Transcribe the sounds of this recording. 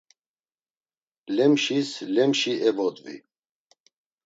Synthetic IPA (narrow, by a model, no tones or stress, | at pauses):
lɛmʃislɛmʃiʔɛvɔt̪ʼvḭ